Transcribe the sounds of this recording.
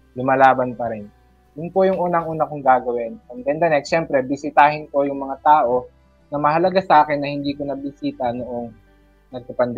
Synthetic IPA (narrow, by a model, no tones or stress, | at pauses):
lʊmalaːbɐnpɐɾɪn | jʊnpojʊŋʔuːnɐŋʔuːnɐkʊŋɡaːɡɐwɪnɐŋd̪ɛnd̪ɐnɛkʃɛmpɾɛbɪsɪt̪aːhɪnko̞jʊŋmɐŋat̪aːʔo̞ | nɐmɐɦɐlɐɡasɐʔaːkɪnːɐhɪnd̪iːkonɐbɪsiːt̪ɐnoʔo̞ŋ | nɐɡ̚pɐpɐnd̪ɛ